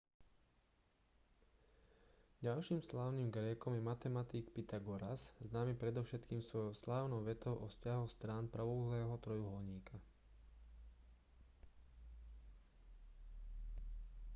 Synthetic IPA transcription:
ɟalʃiːmslaːʊniːmɡɾɛːkɔmjɛmat̪ɛmat̪iːkpit̪aɡɔɾasznaːmipɾɛd̪ɔʊʃɛt̪kiːmsʋɔjɔʊslaːʊnɔʊʋɛt̪ɔʊʔɔfscaɦɔst̪ɾaːnpɾaʋɔlɛːɦɔt̪ɾɔjuɦɔlɲiːkʰa

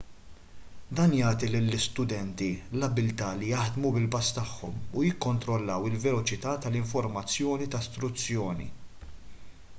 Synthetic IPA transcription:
d̪ɐːnjɐːt̪ilɪlːɪst̪ʊd̪ɛnt̪ilɐbɪlt̪ɐːlijɐħd̪mubɪlbɐst̪ɐħːɔmujɪkːɔnt̪ɾɔlːɐwɪlvɛlɔt͡ʃɪt̪ɐːt̪ɐlɪɱfɔɾmɐt͡sːjɔːnit̪ɐst̪ɾʊt͡sːjɔːnḭ

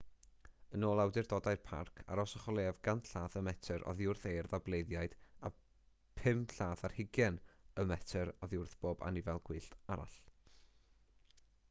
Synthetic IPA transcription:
ənoːlˠawdɪrdɔdajrpʰa̰rkʰa̰ɾɔsɔχɔlˠeːvɡanɬaːθəmɛtʰəɾʔɔ̰ðjʊrθejrðablˠejðjaɨd̥a | pʰɪmɬaːθarhɪɡjɛnəmɛtʰəɾɔðjʊrθb̥oːba̰nivɛlˠɡ̥wɨːɬtaɾa̰ɬ

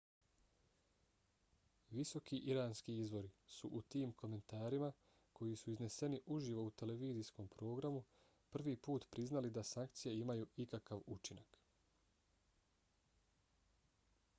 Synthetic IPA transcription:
ʋiso̞kiʔiɾaːnskiizʋo̞ɾisuʔut̪iːmkʰo̞me̞nt̪aːɾima | kʰo̞jisuizne̞se̞niʔuʒiʋo̞ut̪e̞le̞ʋiːzisko̞ːmpɾo̞ːɡɾamu | pr̩ʋiːpuːt̪pɾiznalid̪asaŋk̚t̪sijeimajuːikakaʋut͡ʃinak

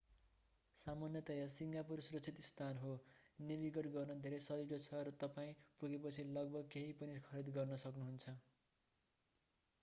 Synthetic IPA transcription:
samanjʌt̪ʌjasiŋɡapursuɾʌsʰit̪ist̪ʰanɦonibiɡʌʈɡʌrnʌd̪ʱeɾʌjsʌɾiɾot͡sʰʌɾʌt̪ʌpaĩpuɡepʌt͡sʰilʌɡ̚bʌɡ̚keɦipʌnikʰʌɾid̪ɡʌrnʌsʌknuɦunt͡sʰʌ

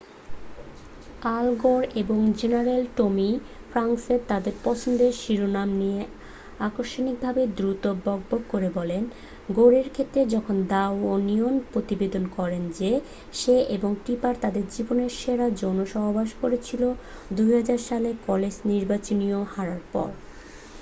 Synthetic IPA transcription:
alɡoɾeboŋd͡ʑenaɾelʈomi | fʰɾaŋseɾt̪ad̪eɾpɔt͡ɕʰond̪eʃiɾonamnie | akoʃonik̚bʱabed̪ɾut̪obɔɡboɡkoɾebɔlen | ɡoɾeɾkʰet̪ːɾed͡ʑɔkʰond̪awonionpɾot̪ibed̪onkɔɾend͡ʑe | ʃeʔeboŋʈɾipaɾt̪ad̪eɾd͡ʑiboneɾʃeɾad͡ʑonoʃɔɦobʱaʃkoɾet͡ɕʰilo | d̪ujɦad͡ʑaɾʃalekɔled͡ʑniɾbat͡ɕoniohaɾaɾpɔ̰ɾ

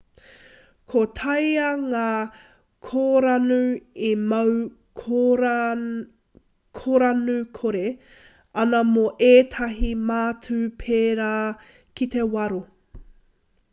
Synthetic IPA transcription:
kʰotʰɐjɐŋaː | kʰoːɾɐnʉemɐw | kʰ | kʰoɾanukʰoɾe | ɐnɐmoʔeːt̪ʰɐɦimaːt͡sʰʉpʰeːɾaː | kit̪e̞wɐɾo

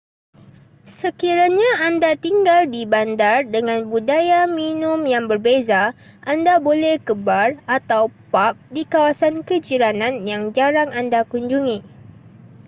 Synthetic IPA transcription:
səkiɾaɲãandat̪iŋɡaldibandardəŋãnbudajamĩnʊ̃mjaŋbərbeza | ʔandabolɛhkəbarat̪awpap̚dikawasankəd͡ʒiɾanãnjaŋd͡ʒaɾaŋandakuɲd͡ʒuŋĩ

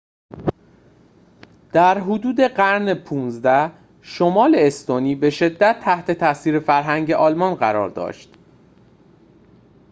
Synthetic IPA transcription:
d̪̥æɾɦod̪uːd̪e̞ɢæɾnepʰuːnzd̪æh | ʃomɒːleːst̪oniːbe̞ʃe̞d̪ːæt̪ʰːæht̪ʰe̞t̪ʰæsiːɾefæɾɦæŋɟe̞ʔɒːlmɒnɢæɾɒ̰ːɾd̪ɒ̰ːʃt̪

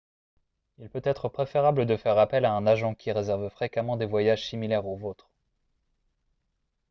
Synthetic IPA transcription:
ilpøt̪ɛt̪χəpχefeʁabləd̪əfɛʁapɛlaɛ̃naʒɑ̃kʲʰiʁezɛʁvfχekamɑ̃d̪evwajaʒsimilɛʁozot̪χ

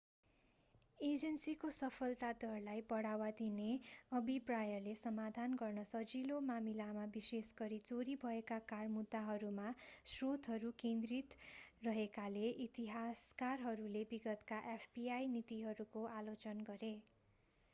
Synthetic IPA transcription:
ed͡zʌnsikosʌpʰʌlt̪ad̪ʌrlajpʌɽawad̪ineʌbʱiprajʌlesʌmad̪ʱanɡʌrnʌsʌd͡zilomamilamabisesɡʌɾit͡soɾibʱʌekakarmud̪ːaɦʌɾumasrot̪ɦʌɾukẽnd̪rit̪rʌɦekaleʔit̪iɦaskarɦʌɾulebiɡʌt̪kaʔepʰbiajnit̪iɦʌɾukoʔalot͡sʌnɡʌɾe

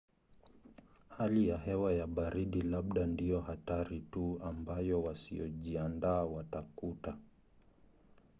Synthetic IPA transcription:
halijaɦɛwajaɓaɾiɗilaɓ̚ɗandijɔhataɾituambajɔwasḭɔʄiandaːwatakuta

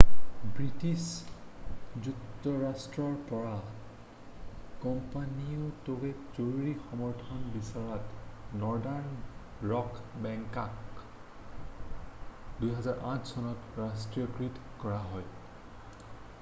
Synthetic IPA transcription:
bɹitis | d͡ʒuktɔɹastɹɔɹpɔɹa | kɔmpaniɔtoɡezoɹɹixɔmɔɹtʰɔnbisaɹɔtnɔɹdaɹn | ɹɔkbɛŋkak | dujɦɛzaɹʔãtʰsɔnɔtɹastɹiɔkɹitkɔɹaɦɔj

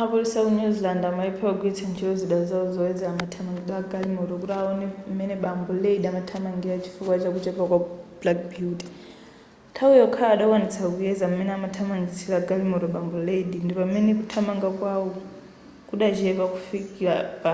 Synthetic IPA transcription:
apuɾisakunuzlandamaipʰɛwaɡwɛtʰant͡ʃʰiɔziɗazauzɔɛd͡zɛlamatʰamaŋɡiɗaɡalimɔɾɔkutaɔnɛmɛnɛɓambɔleiɗiamatʰamaŋɡiɾat͡ʃʰi̥fukwat͡ʃakut͡ʃɛpakwablak̚biuti̥ | tʰaujɔkʰaːɗakwanit͡sʰakujɛzamumɛnɛamatʰamaŋɡit͡silaɡalimɔɾɔɓambɔleiɗindipamɛnɛk̬utʰamaŋɡakwawɔ | kuɗat͡ʃiɛpaku̥fikiap

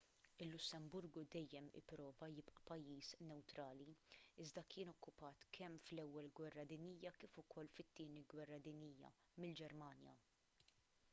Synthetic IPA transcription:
ɪlːʊsːɛmbʊɾɡud̪ɛjːɛmɪ̰pɾɔːvɐjɪpʔɐpɐjːiːsnɛwt̪ɾɐːliɪzd̪ɐkʰɪːnɔkʰːʊpɐːt̪kʰɛmflɛwːɛlɡwɛrːɐd̪ɪniːjɐkiːfʊkʰɔlːfɪt̪ːɪːniɡwɛrːɐd̪ɪniːjːɐ̰ | mɪld͡ʒɛɾmɐːnjɐ̰

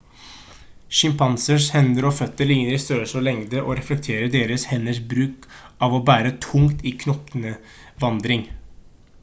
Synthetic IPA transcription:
ʃʏmpʰɑnsəʂhɛnd̪əɾoːfœt̪ːəɭɪŋːəɾɪst̪øːsɔlɛŋd̪əʔoːɾɛflɛk̚t̪ʰeːɾəɖeːɾəshɛnːəʂbɾʉːkʔɑːʋoːbæːɾət̪ʰʊŋt̪iːkʰnɔpnə | ʋɑnd̪ɾɪŋ

